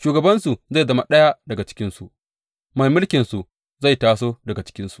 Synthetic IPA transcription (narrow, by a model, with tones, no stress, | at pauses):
ʃuː˨ɡɐ˨bɐ˦nsu˨za˦˨zɐ˦ma˨ɗɐ˦ja˦dɐ˨ɡa˨t͡ʃɪ̥˦kʲɪ˦nsu˨ | mɐ˦˨mʊ˦lkʲɪ˨nsu˨ | za˦˨jtaː˨s̬oː˦dɐ˨ɡa˨t͡ʃɪ̥˦kʲɪ˦nsu̥˨